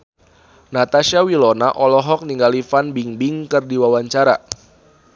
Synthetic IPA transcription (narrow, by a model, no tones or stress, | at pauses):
nat̪aʃawilɔnaʔɔlɔɦɔk̚niŋɡalifanbiŋbiŋkɨrdiwawaɲt͡ʃaɾa